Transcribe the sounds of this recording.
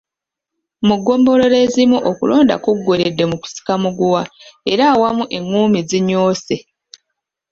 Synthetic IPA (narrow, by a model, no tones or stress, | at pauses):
muɡo̞ːmbo̞lo̞le̞zimuʔokulo̞ːnda̰kuɡːoɾedːe̞muku̥si̥kamuɡuwae̞ɾaːwamuʔe̞ŋːuːmiziɲoːse